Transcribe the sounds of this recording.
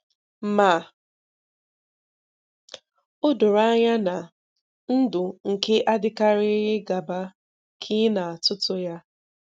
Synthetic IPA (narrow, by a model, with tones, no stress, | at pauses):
m̩˨ma˨ | ʊ˦dʊ˨ɾa˦ɲa˦na˨ | n̩˦dʊ˨ŋ̩˨ke˦ʔa˦dɪ˦ka˦ɾɪ˦ɦɪ˦ɡa˨ba˦ | kʰi˦na˨a˨tʊ˦tʊ˦ja˦